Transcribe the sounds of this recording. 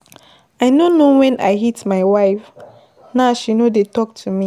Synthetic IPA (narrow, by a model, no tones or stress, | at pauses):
aɪnonowɛ̃nʔa̰ɪɦitmaɪwaɪf | naʊʃinodetɔk̚tʰumi